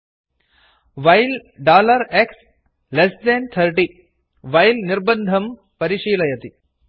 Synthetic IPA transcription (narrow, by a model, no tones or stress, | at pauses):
ʋɐjlɖaːlɐɾeks | lesd̪ɐnt̪ʰɐɾʈi | ʋɐjlnirbɐnd̪ʱɐm | pɐɾiʂiːlɐjɐt̪i